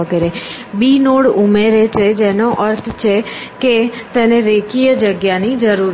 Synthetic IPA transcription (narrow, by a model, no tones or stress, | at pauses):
əɡeɾebinoɽumeɾet͡ʃʰed͡ʒenoʔəɾt̪ʰt͡ʃʰeket̪eneɾekijəd͡ʒəɡjanid͡ʒəɾuɾ